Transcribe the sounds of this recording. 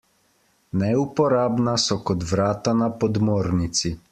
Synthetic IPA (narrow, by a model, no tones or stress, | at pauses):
nɛupɔɾaːbnasɔkɔt̪ʋɾaːt̪anapɔd̪moːɾnit̪si